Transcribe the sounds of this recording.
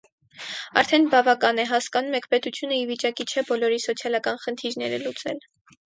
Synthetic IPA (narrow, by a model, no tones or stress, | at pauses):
ɑ̰ɾt̪ʰɛnbɑvɑkɑnɛɦɑskɑnumɛkʰpɛt̪ut͡sʰjunəivit͡ʃɑkit͡ʃʰɛbɔlɔɾisɔt͡sʰjɑlɑkɑnχənt̪ʰiɾnɛɾɛlut͡sɛ̰l